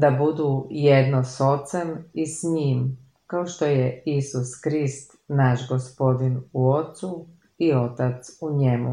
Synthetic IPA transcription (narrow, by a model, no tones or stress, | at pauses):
d̪abud̪uːjed̪noso̞t̪sɛmisɲiːm | kaoʃt̪o̞jeisuskɾist̪ | naʃɡospo̞d̪inuo̞t̪su | io̞t̪at̪suɲe̞mṵ